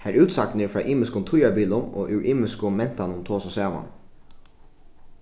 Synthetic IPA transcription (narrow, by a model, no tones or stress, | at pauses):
hæɹʉːt̪sak̪̚nɪɹfɾɑːʔiːmɪskʊnt̪ʰʊjabiːlʊmo̰ːʔʉɹʔiːmɪskʊmɛn̥t̪anʊmt̪ʰoːsɔsæːʋa̰n